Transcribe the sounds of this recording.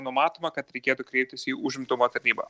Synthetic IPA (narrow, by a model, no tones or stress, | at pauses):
nʊmɑːt̪oːmɐkɐt̪ɾʲɛɪkʲeːt̪ʊkɾʲɛɪp̚ʲt̪ʲɪsiːʔuːʒʲɪmt̪ʊmoːt̪ɐɾʲnʲiːbɐ̰